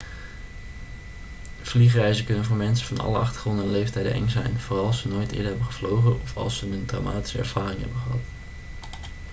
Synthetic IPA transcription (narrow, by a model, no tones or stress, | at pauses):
v̥liχrɛjzəkɵnənvʊːɹmɛnsəvɑnɑ̰ləɑχtəɹχrɔndəɛnlejftɛjdə̰ʔɛ̰ŋzɛ̰jnv̥ʊːrɑlˠɑsənoːjtɪ̰ːdəɦɛbəχəvlowχənɔfɑ̰lˠsənəndra̰wmaːti̥səɛ̰ɹv̥aːrɪŋɦɛ̰bəχəɦɑt